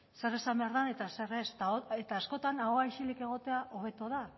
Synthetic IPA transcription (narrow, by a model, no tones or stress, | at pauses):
se̞re̞sambeaɾðane̞t̪aserest̪aoet̪aːsko̞t̪anaɣoaiʃilike̞ɣo̞t̪e̞aʔo̞βe̞t̪oða